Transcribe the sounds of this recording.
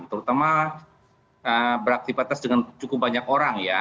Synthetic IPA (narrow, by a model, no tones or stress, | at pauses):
t̪əɾut̪ama | əbəɾak̚t̪ipat̪asdəŋant͡ʃukʊp̚baɲakoɾaŋja